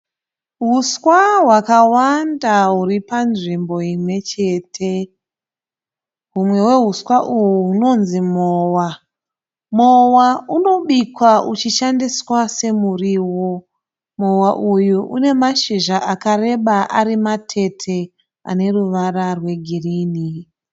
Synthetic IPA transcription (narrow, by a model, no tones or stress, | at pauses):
ɦuswaɦwakawandaɦuɾipanʐimbo̞imwe̞t͡ʃe̞ːtʰe̞ | ɦumwe̞we̞ɦuswaʔuwuuno̞nzimoːwa | mowauno̞ɓikwaut͡ʃiʃandiswase̞muriwo̞ | mo̞waʔujuʔune̞maʃiʒaʔakare̞ɓaʔaɾimatʰe̞tʰe̞ | a̰ne̞ruʋararwe̞ɡʱiriːni